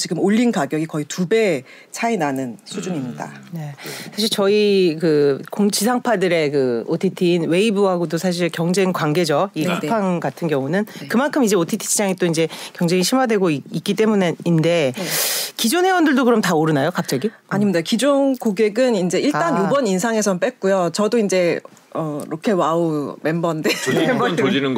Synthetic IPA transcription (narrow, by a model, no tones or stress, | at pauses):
t͡ɕiɡɯmoʎːinkaɡjʌɡikʌitube̞ | t͡ɕʰainanɯnsʰud͡ʑuɲimɲida̰ne̞sʰaɕ̬ʰiɭt͡ɕʌikɯkoŋt͡ɕʰisʰaŋpʰadɯɾe̞kɯotʰitʰiːnwe̞ibuɦaɡodosʰaɕ̬ʰiɭkjʌŋd͡ʑe̞ŋkwaŋɡe̞d͡ʑʌikʰapʰaŋɡatʰɯnɡjʌŋunɯnkɯmankʰɯmid͡ʑe̞otʰitʰi̥t͡ɕʰid͡ʑaŋit͈oind͡ʑe̞kjʌŋd͡ʑe̞ŋiɕʰimwadwe̞ɡoik͈it͈e̞muneinde̞ | kid͡ʑonɦewʌndɯɭdokɯɾʌmtaoɾɯnajokak̚t͡ɕ͈aɡiaɲimdaokid͡ʑonkoɡeɡɯnind͡ʑe̞iɭt͈anjubʌninsʰaŋe̞sʰʌnp͈ek͈ujot͡ɕʌdoind͡ʑe̞ | ʌɾokʰe̞waome̞mbʌndenod͡ʑinɯnɡ